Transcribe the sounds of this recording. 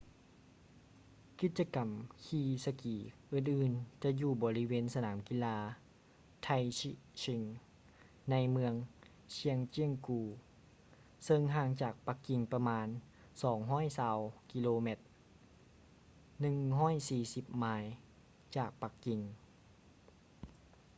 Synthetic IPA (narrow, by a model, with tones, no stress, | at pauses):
ki˧t̪̚t͡ɕa˧ka˨˩mkʰiː˧sa˧kiː˨˩ʔɯː˧˩nʔɯː˨˧˩nt͡ɕa˧juː˧˩bɔː˨˦li˦˥˧weː˧˥˨nsa˧naː˨˩˦mki˧˨laː˧ | t̪ʰa˧ji˧si˧ŋ | na˧˥jmɯ˧əŋ | sʰi˧˥əŋt͡ɕi˧əŋkuː˧˩ | sɤ˧ŋɦaː˧˩ŋt͡ɕaː˨˩k̚pa˧˦kːi˨˩ŋpa˧maː˧˥n | sɔː˩˦ŋɦɔː˥˨jsaː˧˩wki˧loː˧me˧˩t̪̚ | nɯ˨ŋɦɔː˥˨jsiː˧˩si˧˦p̚maː˧˥j | t͡ɕaː˨˩k̚pa˧˦kːi˨˩ŋ